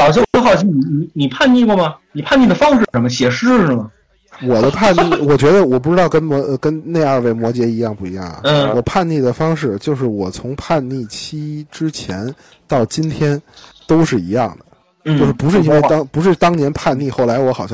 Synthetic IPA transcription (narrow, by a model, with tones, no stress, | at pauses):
lɑ˨˩ʊt͡ɕo˥˩o˥xɑ˨˩ʊt͡ɕʰi˥ni˧˩ni˧˩ni˨˩pʰa˥˧nni˥˩ɡɔ˥˩mɐ˧ni˨˩pʰa˥˧ni˥˩d̪ə˩fɑ˥ŋʂɻ̩˥˩ə˧˥nmə˧ɕjɛ˨˩ʂɻ̩˥˩˧mə˩ | wɔ˨˩d̪ə˦pʰa˥˧nni˥˩wɔ˨˩t͡ɕɥɛ˧˥d̪ə˧wɔ˨˩p̬u˥˩ʈ͡ʂɻ̩˥t̪ɑ˥˩ʊkə˥nmɔ˧˥˧kə˥nne˥˧ɪə˞˥˧we˥˩ɪmwɔ˧˥t͡ɕjɛ˧˥i˧˥jɑ˥˧ŋpu˥˩i˧˥jɑ̰˥˩ŋɐ̰˩n̩˥˩wɔ˨˩pʰa˥˧nni˥˩d̪ə˩fɑ˥ŋʂɻ̩˥˩t͡ɕjo˥˧ʊʂɻ̩˥˩wɔ˨˩t͡sʰʊ˧˥ŋpʰa˥˧nni˥˩t͡ɕʰi˥ʈ͡ʂɻ̩˥t͡ɕʰjɛ˧˥n | t̪ɑ˥˩ʊt͡ɕi˥nt̪ʰjɛ˥nt̪o˥ʊʂɻ̩˥˩i˧˥jɑ˥˩ŋd̪ə | t͡ɕnj̩˥o˥˧ʊʂɻ̩˥˩pu˧˥ʂɻ̩˥˩˧i˥nwe˥˩˧ɑ˥ŋpu˧˥ʂ̬ɻ̩˥˩t̪ɑ˥ŋnjɛ˧˥npʰa˥˧nni˥˧xo˥˩ʊla˧˥ɪwɔ˧˥xɑ˨˩ʊɕjɑ˥˧